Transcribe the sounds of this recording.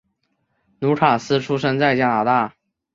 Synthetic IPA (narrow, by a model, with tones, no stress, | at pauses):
nu˧˥kʰa˨˩sɹ̩˥ʈ͡ʂʰu˥ʂɤ˥ŋt͡sa˥˩ɪt͡ɕja˥na˨˩t̪a˥˩